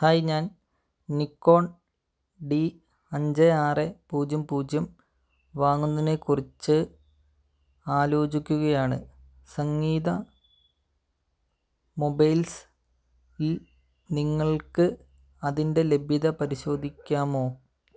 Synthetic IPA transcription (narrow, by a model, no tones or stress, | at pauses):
haːjiɲaːn | nikːo̞ːɳ | ɖi | ɐɲd͡ʑeaːrepuːd͡ʑjɐmpuːd͡ʑjɐm | ʋaːŋːunːɐinekurit͡ɕːɨ | aːlo̞ːd͡ʑikʲːuɣɐjaːɳɨ | sɐŋːiːðɐ | mo̞bɐjls | il | niŋːɐɭkɨ | ɐðinde̞le̞bʱiðɐpɐɾiɕo̞ːd̪ʱikʲːaːmo̞ː